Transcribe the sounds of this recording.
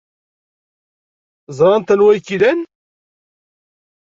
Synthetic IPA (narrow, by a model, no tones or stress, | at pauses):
zˤɾˤɑnt̪ənwæjkːilæn